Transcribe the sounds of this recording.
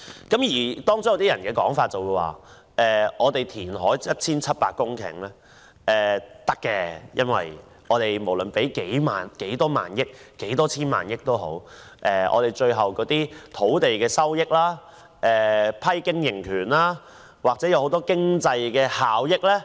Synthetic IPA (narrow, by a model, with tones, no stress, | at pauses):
kɐ˨˦˥mjiː˨˩t̪ɔː˥ŋt͡so˨˥jɐ˨˧wt̪iː˥jɐ˨˩nkɛː˧kɔ̰ː˨˥ŋfaː˧t̚t͡sɐ˨wu˨˧jwa̰ː˨ | ʔɛː˨ʔɔː˨˧t̪e˨jt̪ʰiː˨˩nɦɔː˨˥jjɐ˥t̚t͡sʰiː˥nt͡sʰɐ˥t̚paː˧k̚kːʊ˥ŋkʰɪ̰˨˩ŋlɛ˥ | ʔɛː˨t̪ɐ˥kːɛː˧jɐ˥nwɐ̰˨j | ɔː˨˧t̪e˨jmo˨˩wlɵ˨npe˨˥jke˨˥jma̰ː˨nke˨˥jt̪ɔː˥ma̰ː˨njɪ˥k̚ːe˨˥jt̪ɔː˥t͡sʰiː˥nma̰ː˨njɪ˥k̚t̪o˥wɦo̰˨˥wʔɛː˨ʔɔ̰ː˨˧t̪e˨˩jt͡ʃɵ˧ɥɦɐ˨wkɔː˨˥t̪iː˥t̪ʰo˨˥wt̪e˨jkɛː˧sɐ˥wjɪ˥k̚laː˥ | ʔɛː˨˩pʰɐ˥jkɪ˥ŋjɪ˨˩ŋkʰyː˨˩nlaː˥ | waː˨k̚t͡sɛː˨˥jɐ˨˧who˨˧˥wt̪ɔː˥kɪ˥ŋt͡sɐ˧jkɛː˧haː˨wjɪ˥k̚lɛː˥